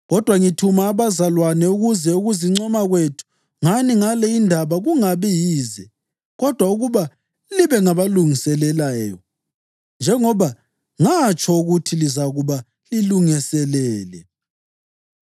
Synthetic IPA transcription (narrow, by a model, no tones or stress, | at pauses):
ɣɔd̥ʱwaŋitʰumaːβazalwanɛuɣuzɛuɣuziŋ͡ǀɔmaɣwetʰu̥ | ŋaniŋalɛindʱaβaɣuŋaβijiːzɛ | ɣɔd̥ʱwauɣuβa | liβɛŋaβaluŋisɛlɛlaːjɔ | nd͡ʒʱɛŋɔβa | ŋat͡ʃʰʼɔuɣutʰilizaɣuβa | liluŋisɛlɛːlɛ